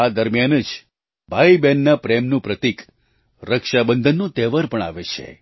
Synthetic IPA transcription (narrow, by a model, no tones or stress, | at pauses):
ad̪əɾmjanəd͡ʒ | bʱaibɛnːapɾemnũpɾət̪ik | ɾəkʃabənd̪ʱənːũt̪ɛʋaɾpəɳa̰ʋet͡ʃʰḛ